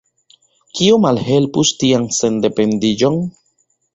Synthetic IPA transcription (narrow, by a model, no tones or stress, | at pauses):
kiomalhelpust̪iaŋsend̪epend̪id͡ʒoŋ